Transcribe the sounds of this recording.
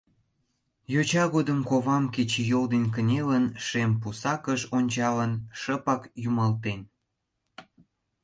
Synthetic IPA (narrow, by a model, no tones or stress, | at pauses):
jot͡ɕɑɣod̪əmkoβɑmket͡ɕejold̪enʲk̬ənʲelənʃempusɑkəʃonʲt͡ɕɑlənʃəpɑkjumɑlt̪en